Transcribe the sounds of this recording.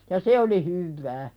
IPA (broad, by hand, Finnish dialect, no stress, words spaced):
jɑ se oli hyʋːæː